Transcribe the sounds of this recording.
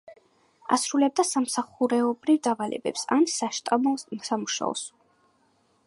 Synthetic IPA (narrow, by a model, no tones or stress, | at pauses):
a̰sɾulɛb̚d̪asamsaχuɾɛɔbɾivd̪avalʔɛ̰bɛ̰psa̰nsaʃt̪ʼamɔmsamuʃa̰ɔ̰s